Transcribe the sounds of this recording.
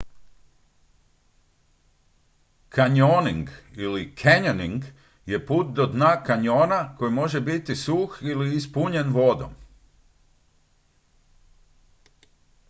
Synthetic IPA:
kʰaɲoniŋɡilikʰeɲoniŋɡ | je̞puːt̪̚d̪od̪nakaɲo̞ːnako̞jmo̞ʒe̞bit̪isuːxiliːspuɲe̞nʋo̞d̪o̰m

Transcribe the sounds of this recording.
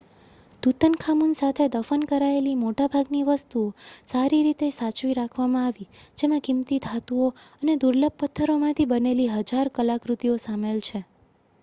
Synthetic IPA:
d̪̥ut̪ənkʰamunsat̪ʰed̪əfənkəɾaelimoʈabʱaɡniʋəst̪uosaɾiɾit̪esat͡ʃʋiɾakʰʋamãaʋid͡ʒemãkimt̪id̪ʱat̪uoəned̪uɾləb̚pət̪ʰːəɾomãt̪ʰibəneliɦəd͡ʒaɾkəlakɾut̪iosamelt͡ʃʰe

